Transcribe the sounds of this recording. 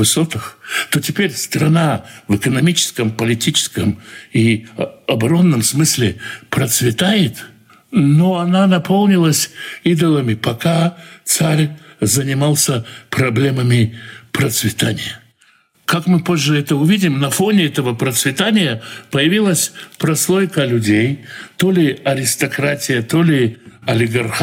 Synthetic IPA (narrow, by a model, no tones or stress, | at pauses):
vɨso̞t̪ɨxt̪o̞tʲɪpʲeɾʲst̪ɾɐnavɨkənɐmʲit͡ɕɪ̥skəmpəlʲɪtʲit͡ɕɪ̥skəmiɐbɐɾo̞nːəmsmɨsʲlʲɪpɾət̪svʲɪt̪ajɪt̪ | no̞ɐnanɐpolˠnʲɪlˠəsʲid̪əlˠəmʲɪpɐkat̪saɾʲzənʲɪmalˠsʲəpɾɐblʲeməmʲɪpɾət̪svʲɪt̪anʲɪ̰jə | kakmɨpoʐːɨɛt̪əʊvʲidʲɪmnɐfonʲɪɛt̪əvəpɾət̪svʲɪt̪anʲɪjəpəjɪvʲilˠəsʲpɾɐslˠo̞jkəlʲʊdʲejt̪o̞lʲɪɐɾʲɪst̪ɐkɾatʲɪjət̪olʲɪɐlʲɪɡɐrx